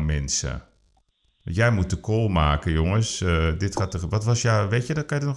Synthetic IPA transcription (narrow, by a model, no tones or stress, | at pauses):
mɛnsə̰ | jɛjmut̚dəkʰoːlˠma̰ːkəjoŋəsədɪtxatəʋɔtʋɔsjaʋeːtjədɔtkajədənɔ